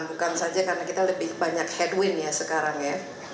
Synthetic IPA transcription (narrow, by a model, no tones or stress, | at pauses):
nbukansad͡ʒakarənakit̪aləbɪhbaɲakhɛdwɪnjasəkaɾaŋja